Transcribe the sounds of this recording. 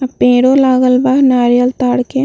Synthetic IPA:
ɐpẽːɽolaːɡəlbaɦnaːɾjəlt̪aːɽke

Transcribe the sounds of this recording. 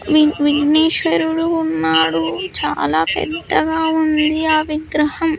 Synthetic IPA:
ʋiʋiɡneːʃɐɾuluːnːaːɽut͡ʃa̰ːlaːpɛ̰d̪ːɐɡaːund̪iaːʋiɡɾɐhɐm

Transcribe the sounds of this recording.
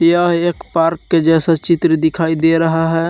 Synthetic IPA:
jaɦeːkpaːɾkːed͡ʒɛsat͡ʃɪt̪ɾid̪ɪkʰaːid̪eɾəɦaɦɛ

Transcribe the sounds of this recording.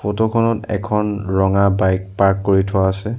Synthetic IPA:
fotɔkʰɔnɔtɛ̰kʰɔnɹɔŋabajk̚paɹkːoɹitʰɔwaːsɛ

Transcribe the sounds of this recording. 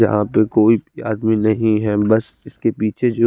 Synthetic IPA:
jɐ̰ɦã̰pekoːia̰ːd̪minɐɦĩɦɛbɐsɪskepiːt͡ʃʰed͡ʒoː

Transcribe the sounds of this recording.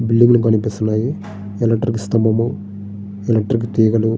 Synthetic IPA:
bilːɖiŋɡnukɐnipist̪unːaːji | elɐk̚ʈːɐɾk̬ist̪ɐmbʱɐmu | elek̚ʈɐɾk̬it̪iːɡɐlu

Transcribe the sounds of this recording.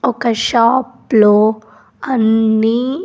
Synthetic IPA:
ɔkɐʃaːploː | ɐnːi

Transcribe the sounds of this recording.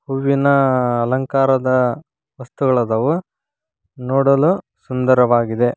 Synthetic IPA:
huʋːinɐːlɐŋkaːɾɐd̪ɐ | ʋɐst̪uɡɐɭɐt̪ɐːʋu | noːɽɐlu | sund̪ɐɾɐʋaːɡid̪e̞

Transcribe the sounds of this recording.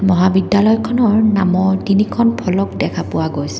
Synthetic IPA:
mɔɦabidːalɔjkʰɔnɔɹnamɔtinikʰɔnpʰɔlɔkdɛkʰapʊwaɡojsɛ

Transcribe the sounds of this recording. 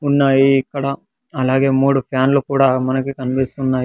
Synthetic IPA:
unːaːjiːkːɐɽɐ | ɐlaːɡe̞ːmuːɽupʰjaːnloːkuːɽaːmɐnɐkikɐnpist̪unːaːji

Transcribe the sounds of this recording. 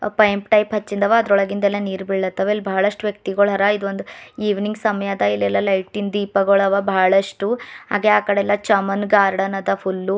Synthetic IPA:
pɐjmpʈɐjpɦɐt͡ʃːind̪ɐʋɐɐd̪ɾɔɭɐɡind̪ɐɛlːɐniːɾbiɭːɐt̪ːɐʋelːbʱaːɭɐʂʈuʋjɐk̚t̪iɡoɭɦɐɾaid̪uond̪uiːʋniŋɡsɐmɐjad̪ɐilːɛlːɐlɐjʈind̪iːpɐɡɔɭɐʋɐbʱaːɭɐʂʈuɦa̰ːɡeaːkɐɽeɛlːɐt͡ʃɐmɐnɡaːɾɽɐnɐd̪ɐpʰulːu

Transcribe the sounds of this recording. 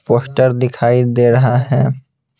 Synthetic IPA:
poːsʈəɾd̪ɪkʰaːid̪eːɾɐɦaɦɛː

